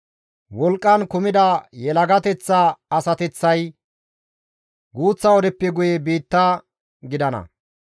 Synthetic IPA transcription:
wɔlkʼːɐnkʊmɪd̪ɐjɛlɐɡɐt̪ɛt͡sːaɐsɐt̪ɛt͡sːɐj | ɡuːt͡sːɐɔd̪ɛpːɛɡʊjɛbiːt̪ːɐ | ɡɪd̪ɐnɐ̰

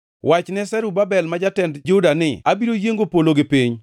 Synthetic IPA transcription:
wat͡ʃnɛsɛɾubabɛlmad͡ʒatɛndd͡ʒʊdanɪabiɾojeŋɡopoloɡɪpiɲ

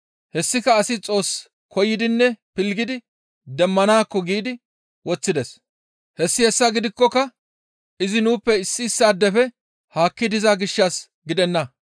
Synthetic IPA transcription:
hɛsːɪkɐːsɪt͡sʼo̞ːs | kɔjːɪd̪ɪnːɛpɪlɡɪd̪ɪ | d̪ɛmːɐnaːkːɔɡiːd̪ɪ | wɔt͡sːɪd̪ɛs | hɛsːɪhɛsːɐɡɪd̪ɪkːɔkɐ | ʔɪzɪnuːpːɛɪsːɪːsːaːd̪ːɛfɛ | haːkːɪd̪ɪzaɡɪʃːas | ɡɪd̪ɛnːɐ

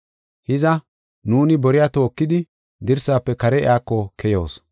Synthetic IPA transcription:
hɪzɐ | nuːnɪbɔɾɪjaːt̪oːkːɪd̪ɪ | d̪ɪɾsaːpːɛkɐɾɛɪ̰aːkːɔkʰɛjoːs

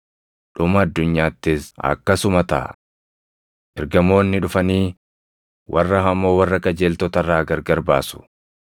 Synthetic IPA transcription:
ᶑʊmɐːd̪ːʊɲːaːt̪ːɪsɐ̰kːɐsʊmɐt̪ɐʔɐ̰ | ʔɛɾɡɐmo̞ːnːɪᶑʊfɐniː | wʔɐ̰rːɐɦɐmːo̞ːwɐrːɐkʼɐd͡ʒeːlt̪ɔt̪ɐrːaːɡɐɾɡɐɾbaːsʊ̥

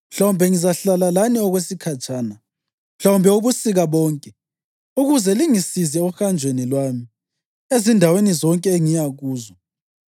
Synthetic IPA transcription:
m̩ɬawumbʱɛŋizaɬalalaniɔɣwesikʰat͡ʃʼaːna | m̩ɬawumbʱɛuβusiɣaβɔːŋkʼɛ | uɣuzɛliŋisizɛuxand͡ʒʱwenilwami | ezindʱawenizɔŋkʼɛeŋijaɣuːzɔ

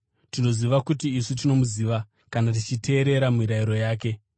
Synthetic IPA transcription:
tino̞ziʋakutiːsut̬ino̞muziːʋa | kanat̬it͡ʃitʰe̞ːɾe̞ɾamiɾaiɾo̞jaːke̞

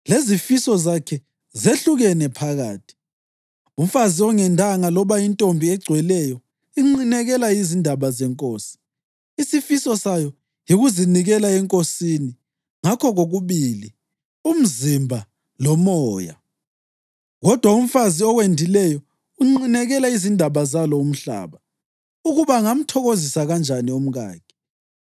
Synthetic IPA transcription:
lezifisɔzakʰɛ | zeɬuɣɛnɛpʰaɣa̰ːtʰi̥ | um̩faziɔŋɛndʱaŋalɔβaintʼombʱiɛɡ͡ǀʱwɛlɛjɔ | iŋ͡ǃinɛɣɛlaizindʱaβazɛŋkʼoːsi̥ː | sifisɔsajɔ | jiɣuziniɣɛlaɛŋkʼosini | ŋakʰɔɣoɣuβili | um̩zimbʱa | lɔmɔːja̰ | ɣɔd̥ʱwaum̩faziɔɣwendʱilɛjɔ | uŋ͡ǃinɛɣɛlaizindʱaβazalɔum̩ɬa̰ːβa | uɣuβaŋam̩tʰɔɣozisaɣand͡ʒʱanium̩ɣa̰ːɡ̥i̥

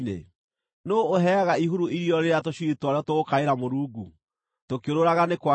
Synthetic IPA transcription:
nḛ | noːɦɛaɣaiɦuɾuiɾiɔɾeɾeatoɕuitwaɾeɔtoɣokaeɾamoɾuːɡu | tokeoɾoɾaɣanekwa

